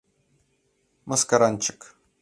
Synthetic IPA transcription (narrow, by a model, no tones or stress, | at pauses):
mɐskaɾanʲt͡ʃʰɪ̥k